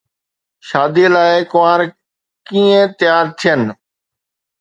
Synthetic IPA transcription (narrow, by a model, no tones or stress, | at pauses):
ʃaːd̪ilaːɪkʊʋaːɾ | kĩːẽt̪ɪjaːɾt̪ʰijənɪ̆